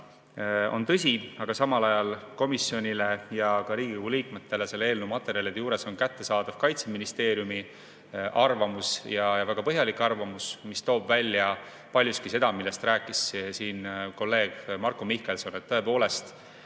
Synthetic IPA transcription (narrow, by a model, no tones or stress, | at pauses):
o̞̰nt̪ɤsʲiɑɡ̥ɑsɑmɑlɑjɑlko̞misːio̞nʲile̞jɑkɑɾiːɡ̥ikoɡ̥uliːkme̞t̪ːe̞le̞se̞lːeeːlnewmɑt̪ːe̞ɾjɑliet̪juːɾe̞so̞nkæt̪ːe̞sɑːd̪̥ɑv̥kɑjt̪se̞minist̪e̞ːɾjumi | ʔɑrvɑmusjɑjɑvæɡ̥ɑpɤɦjɑlikːˑɑrvɑmusmist̪o̞ːbvælʲːjɑ | pɑlʲjust̪kise̞d̪̥ɑmilːe̞st̪ræːkːˑissiːnko̞lːe̞ːɡ̥mɑrkomihke̞lsonet̪ːɤ̞e̞po̞ːle̞st̪